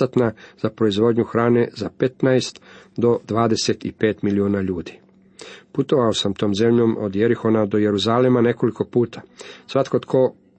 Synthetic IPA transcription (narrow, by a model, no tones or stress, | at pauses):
at̪nazapɾo̞izʋo̞ːd̪ɲuxɾaːne̞zapet̪najst̪d̪o̞d̪ʋaːd̪e̞set̪ḭpe̞ːt̪milioːnaʎuːd̪i̥ | put̪o̞ʋaosamt̪o̞ːmze̞mʎo̞ːmod̪jeɾixo̞nad̪o̞je̞ɾuzalemane̞ko̞liko̞puːt̪ʰḁsʋat̪kot̪kʰoː